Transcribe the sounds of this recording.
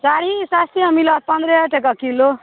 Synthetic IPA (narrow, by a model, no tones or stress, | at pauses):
t͡saɾisast̪ʰiʌmilʌpʌnd̪ɾeʈekakilo